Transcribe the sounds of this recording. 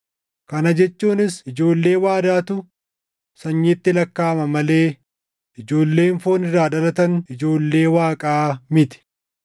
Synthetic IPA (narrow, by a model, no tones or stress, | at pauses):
kɐnɐd͡ʒɛt͡ʃːuːnɪsɪd͡ʒo̞ːlːe̞ːwaːd̪aːt̪ʊ | sɐɲːeːt̪ːɪlɐkːaːmɐmɐle̞ː | ɪd͡ʒo̞ːlːe̞ːɱfoːnɪrːaːᶑɐlɐt̪ɐnɪd͡ʒo̞ːlːe̞ːwaːkʼaːmɪt̪ɪ̥